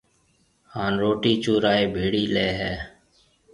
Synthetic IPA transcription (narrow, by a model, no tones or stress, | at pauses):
haːnɾoːʈiːt͡ʃuːɾaːeːbʱeːɽiːleːɦɛː